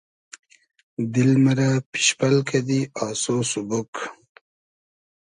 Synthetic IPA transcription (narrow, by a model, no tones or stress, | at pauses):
d̪ilməɾapi̥ʃpalkʰad̪iɑːsosubok